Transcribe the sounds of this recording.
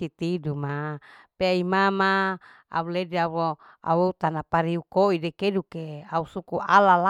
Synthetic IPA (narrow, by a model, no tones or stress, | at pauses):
it̪idumapeaimama | a̰ulediawo | a̰weut̪anapaɾiukoidekedukeausukuʔalala